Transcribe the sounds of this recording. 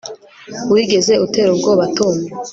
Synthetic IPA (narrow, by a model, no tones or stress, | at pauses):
wiɡe̞ze̞ute̞ɾoŋɡoβatome